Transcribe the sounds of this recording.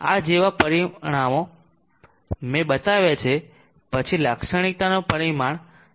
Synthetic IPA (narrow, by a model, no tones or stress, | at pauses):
a̰d͡ʒeʋapəɾiɽ̃amo | mẽɓət̪aʋet͡ʃʰe | pət͡ʃʰilakʃəɽ̃ik̚t̪anopəɾimaɳ